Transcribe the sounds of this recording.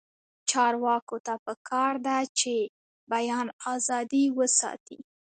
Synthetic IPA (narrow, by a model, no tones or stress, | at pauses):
t͡ʃɑɾwɑkot̪apəkʰɑɾd̪at͡ʃe | bajɑnɑzɑd̪iwəsɑ̰t̪ḭ